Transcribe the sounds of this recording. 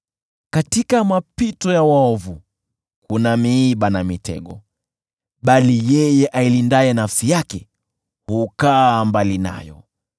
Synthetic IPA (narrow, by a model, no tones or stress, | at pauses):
katikamapitɔjawaɔvu | kunamiːɓanamitɛ̰ɠɔ̰ | ɓalijɛjɛʔailindaɛnafsijakɛ | hukaːmbalina̰jɔ̰